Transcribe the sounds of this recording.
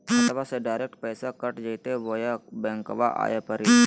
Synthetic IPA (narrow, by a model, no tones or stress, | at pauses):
ɐt̪əʋaseɖaːɪɾek̚ʈpɛːsakəʈd͡ʒəjt̪eʋojabɛ̃ːŋkoʋaʔa̰ːjapəɾi